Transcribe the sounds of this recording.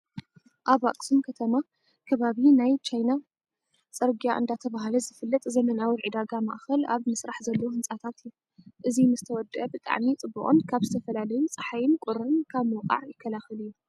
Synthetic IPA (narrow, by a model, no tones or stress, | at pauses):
ʔaβa̰kʼsumkʰɐt̪ʰɐma | kʰɐβaβinajt͡ʃʰajna | sʼɐɾɡijaʔɨ̰nd̪at̪ʰɐβahlɐzɨfɨlːɐt̪ʼzɐmɐnawiʕid̪aɡamaʔxɐla̰βmɨsɾaħzɐlːohɨnt͡sʼat̪ʰat̪ɨjːu | ʔɨzimɨzt̪ʰɐwɔd̪ʔɐbɨt̪ʼa̰ʕmit͡sʼɨbːuʔʼo̰nkʰaβzɨt̪ʰɐfɐlalɐjut͡sʼɐħajɪnkʼʊɾɨnkʰaβmowqʼa̰ʕjɪkʰːɐlaxɐlɨjːu